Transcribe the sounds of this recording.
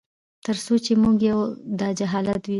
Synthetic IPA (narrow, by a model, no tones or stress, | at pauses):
t̪əɾsot͡ʃemuɡjawd̪ɑd͡ʒaɦɑlat̪wi